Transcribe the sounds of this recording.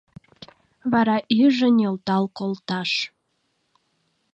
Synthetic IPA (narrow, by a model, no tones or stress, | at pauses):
βɑɾɑʔyʒənelt̪ɑlkolt̪ɑʃ